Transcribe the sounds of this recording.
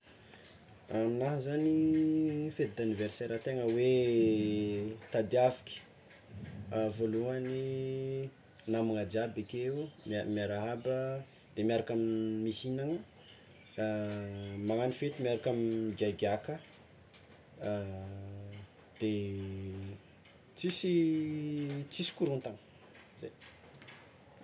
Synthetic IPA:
aminaɦəzani | fet̪id̪aniveɾseɾət̪eŋəwe | t̪ad̪afi̥kʲi̥ | voluani | namaŋad͡ʒiabikemamiaɾaɦabə | d̪̥emiaɾakamimihinaŋə | maŋanifet̪imiaɾakamiiɡajɡʲakə | d̪̥e | t͡sisi | t͡sisi̥kuɾunt̪aŋə̥ | zej

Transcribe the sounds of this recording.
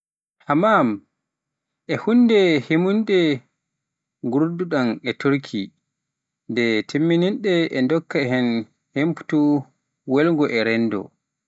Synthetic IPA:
hamam | ʔɛhundɛhemundɛ | ɡuɾduɗanɛtoɾkʰi | ndɛtʰimːininɗɛɛndɔkːaɦɛn | hempu̥tu | wɛlŋɡɔʔɛɾɛndɔ̰

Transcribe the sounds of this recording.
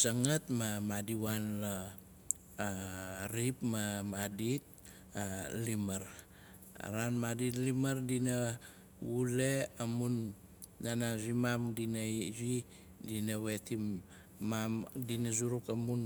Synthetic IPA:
saŋatmamadiwanla | ɾipmamadit̚ | alimaɾ̰ | ɾanmaditlimaɾdina | wuleamunː | anazimamdinajzi | dinawe̞timː | amdinazuɾukamun

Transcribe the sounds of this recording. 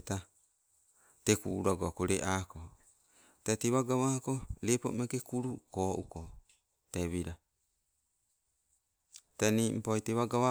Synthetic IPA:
ta | tekṵɾaɡoakoɾeʔako | tateβaɡaβakolepo̰mekekuɾukoʔuko | teβiɾa | tanim̩pojteβaɡawa

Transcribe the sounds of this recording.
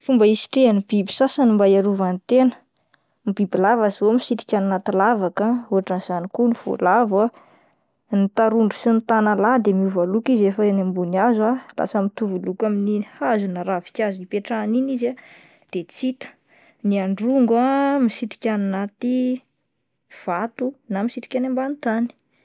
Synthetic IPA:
fumbəisi̥ʈ͡ʂeanibibi̥sasənimbajaɾuvant̪enə̥ | mibibilavaziomisit̪i̥kʲaninat̪ilavakəuɦaʈ͡ʂanz̥anikuniv̥o̰lava | nit̪aɾuɳɖ͡ʐusint̪analad̪emiuvalukizefaenambuniazalʔa̰səmit̪uvulukaminihazunəɾavi̥kʲazuipeʈ͡ʂaniniza | d̪̥et͡sit̪ə̥ | niaɳɖ͡ʐuŋɡamisit̪i̥kʲaninat̪i | v̥at̪unamisit̪i̥kʲanambant̪ani̥

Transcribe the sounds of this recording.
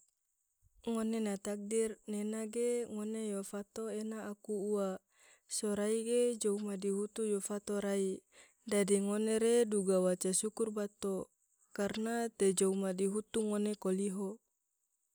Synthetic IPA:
ŋonenat̪ak̚dirnenaɡeŋonejofat̪oenaːkuua | soɾaiɡed͡ʒoumadiɦut̪ujofat̪oɾai | dadiŋoneɾeduɡawat͡ʃasukurbat̪o | karnat̪ed͡ʒoumadiɦut̪uŋonekoliɦo

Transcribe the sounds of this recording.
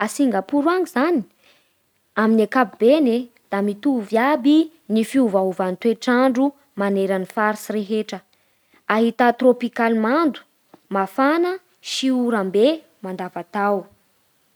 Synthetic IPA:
asiŋɡapuɾuaŋizani̥ | aminakabibene | d̪̥amit̪uvjabi | nifiuvaɦuvant̪weʈ͡ʂaɳɖ͡ʐu | maneɾanifaɾisiɾeɦeʈ͡ʂə | aɦit̪at̪ropikalimand̪u̥ | mafanə | ʃiuɾambe | mand̪avat̪aw

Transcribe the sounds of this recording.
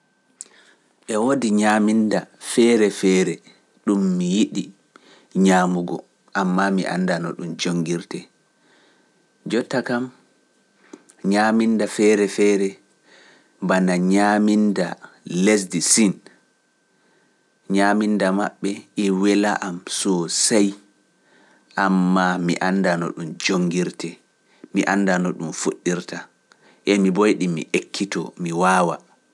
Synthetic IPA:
ɓɛwodiɲamindafɛɾɛfɛːɾɛ | ɗumːijiɗi | ɲaːmuɡɔ̰ | ʔamːamiʔa̰ndanɔ̰ɗumd͡ʒoŋɡiɾtɛ | d͡ʒɔtːakam | ɲamindafɛːɾɛfɛːɾɛ | banaɲaminda̰les̬disin | ɲamindamaɓːɛʔɛwɛlaʔamsɔsaj | ʔamːamiʔandanɔ̰ɗumd͡ʒoŋɡiɾtɛ | miʔandanɔɗumfoɗːiɾta | ʔɛmibojɗimḭʔekʰːitɔ̰miwaːwa

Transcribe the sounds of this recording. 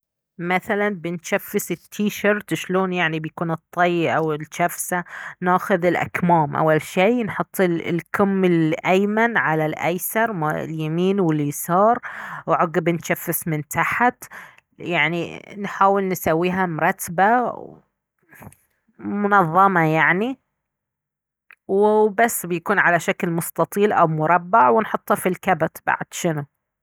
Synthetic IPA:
maθalanbɪnʃafːɪsɪt̪ʰːiːʃɑɾt̪ʃloːnjaʕnibjakuːnɨt̪ˤːɑjːʔawɪlʃafsanaːxʊðɪlʔa̰kmaːmʔa̰wːalʃiːnħʊt̪ˤːɪlkʊmːɪlʔajmanʕalalʔa̰jsɑɾˤma̰ljamiːnwɪlɪsɑːɾˤwʕʊɡɪbɪnʃafːɪsmɪnt̪aħt̪ | jaʕninħaːwɪlnsawːiːɦamʊɾˤɑt̪ːba | mʊnɑðˤːɑmɑjaʕni | wɪbasːbjakuːnʕalaʃaklmʊst̪ɑt̪ˤiːlʔawmʊɾˤɑbːɑʕwɪnħʊt̪ˤːhɑfilkabat̪ba̰ʕd̪̥ʃɪnu

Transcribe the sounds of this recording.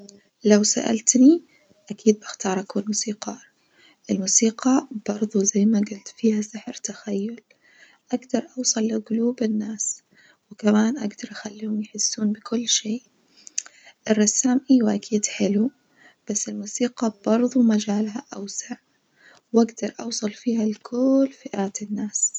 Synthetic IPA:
lawsa̰ʔa̰lt̪ni | ʔakʰiːd̪̚baxt̪ɑːɾˤʔakunmuːsiːqɑː | ʔɪlmuːsiːqɑb̥ɑɾˤðˤuzajːmaɡʊlt̪fiːhasɪħɾt̪axajːʊl | ʔaɡd̪ɑɾˤʔɑwsˤɑlːɪɡʊluːbɪnːaːs | wɪkamaːnʔaɡd̪ɑɾˤʔaxalːiːhʊmjħɪsːuːnbɪkʊlːʃeː | ʔɪrˤːɑsːaːmʔiwʔakʰiːd̪ħɪlu | b̥asːɪlmuːsiːqɑbɑɾˤðˤumad͡ʒaːlhaʔawsaʕ | wʔaɡd̪ɑɾˤʔɑwsˤɑlfiːhalkʰʊlːfɪʔaːt̪ɪnːaːs

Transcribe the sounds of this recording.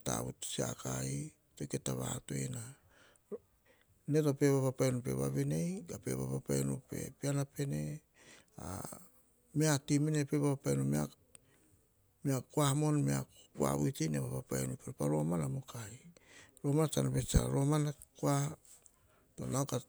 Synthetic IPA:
ta̰βṵtsia̰kai | tojketaβa̰to̞̰jena | netope̞βapapajnup̬e̞̰βa̰βinejɡape̞̰βa̰papajnupe̞̰pianape̞ne̞ | a | meatiminepeβapapajnomea̰ | miakuahmo̞nmea | kua̰βujtejneβapapajnupeɾopaɾo̞manamo̞kajɾo̞mantanopesa̰ɾo̞manakoa | to̞nawka

